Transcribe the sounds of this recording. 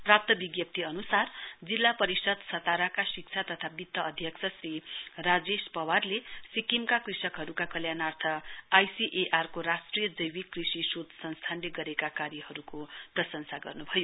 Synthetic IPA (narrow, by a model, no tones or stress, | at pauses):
prap̚t̪ʌbiɡjʌp̚t̪ʰiʌnusard͡zilːapʌɾisʌd̪sʌt̪aɾakasik̚t͡sʰat̪ʌt̪ʰabit̪ːʌʌd̪ʱjʌksʰʌsrirad͡zespʌwarlesikimkakrisʌkɦʌɾukakʌljanart̪ʰʌajsiʔeʔarkoɾasʈrijʌd͡zʌjwikrisisod̪sʌ̃nst̪ʰanleɡʌɾekakaɾjʌhʌɾukoprʌsʌnsaɡʌ̰rnubʱʌjo